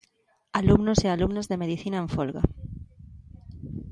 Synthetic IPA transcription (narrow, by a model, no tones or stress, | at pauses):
alumnosealumnozðe̞meðiθinaeɱfolɣa̰